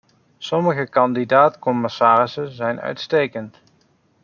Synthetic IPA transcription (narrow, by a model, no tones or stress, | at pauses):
sɔməɣəkɑndidaːtkɔmɪsaːrɪsənzɛjnœ̰ɥtstejkənt